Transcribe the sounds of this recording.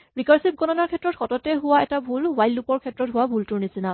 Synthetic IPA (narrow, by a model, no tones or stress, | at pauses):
ɹikaɹsip̚ɡɔnɔnaɹkʰɛtːɹɔtxɔtɔtɛɦʊwaɛtabʱulwajlːupɔɹkʰɛtɹɔtɦʊwabʱultʊɹnisina